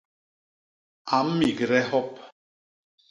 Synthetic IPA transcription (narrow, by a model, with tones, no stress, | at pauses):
a˨m̩˦mi˨kɾɛ˦hɔ˦p̚